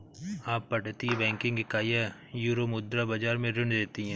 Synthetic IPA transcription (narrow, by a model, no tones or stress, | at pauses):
aːpːɐʈt̪iɦɛbɛ̃ːŋkɪ̃ŋɡekaːjajuːɾomʊd̪ɾabad͡ʒaːɾmẽɾɪɳd̪eːt̪iɦɛ̃ː